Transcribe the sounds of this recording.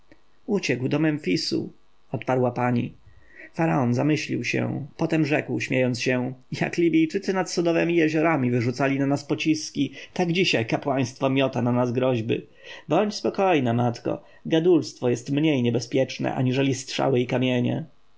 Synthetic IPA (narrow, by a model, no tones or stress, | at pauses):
ut͡ɕɛɡwd̪ɔmɛnfʲisṵ | ɔt̪paɾwapaɲḭ | faɾaɔnzamɘɕlʲiwɕɛ̰pɔt̪ɛmʐɛkwɕmʲjejɔnt̪sɕɛja̰klʲibʲijt͡ʂɘt̪sɘnat̪sɔd̪ɔvɛmʲijɛʑɔɾamʲivɘʐut̪salʲinanaspɔt͡ɕiskʲit̪aɡd͡ʑiɕajkapwaj̃st̪fɔmʲjɔt̪ananazɡɾɔʑbɘ̰ | bɔɲt͡ɕspɔkɔjnɛmat̪kɔ̰ | ɡad̪ulst̪fɔjɛst̪mɲejɲɛbɛspʲjɛt͡ʂnɛ̰ʔa̰ɲiʐɛlʲist̪ʂa̰wɘikamʲjeɲɛ̰